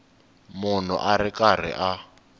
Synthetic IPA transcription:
mʊn̤ɔ̰ʔaɾɪkʼar̤ɪ̰ʔa

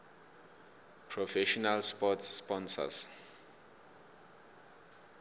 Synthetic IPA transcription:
pʰɹɔfɛʃɔnalspɔtsspɔnsa̰s

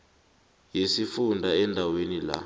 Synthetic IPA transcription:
jesifundʱaɛndʱawenila̰

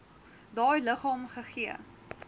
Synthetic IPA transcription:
dɑːjləχɑːmχəχiə

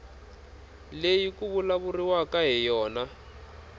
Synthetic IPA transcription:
lejikuβulaβuriwakaɦɛjɔːna

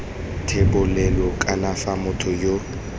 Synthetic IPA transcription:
tʰebʊlɛlɔkʼanafamʊtʰʊjo

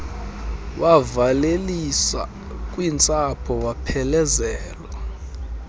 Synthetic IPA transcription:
wʔavalelisa̰ | kʼwint͡sʼapʰɔwapʰɛlɛzɛːla

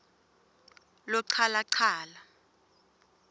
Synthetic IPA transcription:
lɔǀʰalaǀʰaːla

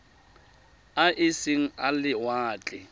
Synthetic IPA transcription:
aʔɪsɪŋ̩alɪwaːt͡ɬʼɪ

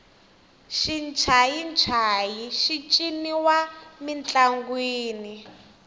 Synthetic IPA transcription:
ʃint͡ʃʰajint͡ʃʰajiʃit͡ʃʼiniwamint͡ɬʼaŋɡwiːni

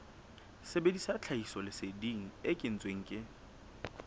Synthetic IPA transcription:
sebedisat͡ɬʰaisɔlɪsediŋ̩ɪkʼɪn̩t͡sʼweŋ̩kʼɪ

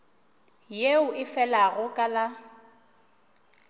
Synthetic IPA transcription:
jeʊʔɪfɛlaɣʊkʼala

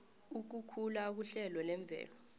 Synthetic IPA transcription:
uk̬ukʰulak̬uɬɛlɔlɛɱb̪vʱɛ̰ːlɔ

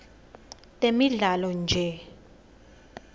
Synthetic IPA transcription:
tʼemiɮalɔnd͡ʒʱɛ

